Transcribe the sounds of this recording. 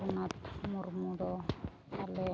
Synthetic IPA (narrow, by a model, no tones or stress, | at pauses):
unat̪muɾmud̪ɔ | ale